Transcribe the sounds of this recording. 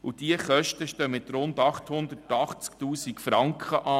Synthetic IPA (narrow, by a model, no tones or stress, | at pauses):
ud̥iəχœʃtəʃtœmɪt̪ɾʊnd̪ɑχthʊnd̪ətɑχt͡sktuːsikfɾɑŋkχəʔɑː